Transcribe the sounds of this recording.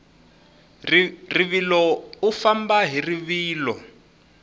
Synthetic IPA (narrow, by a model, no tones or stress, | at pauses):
riβilɔufambaɦiriβiːlɔ̰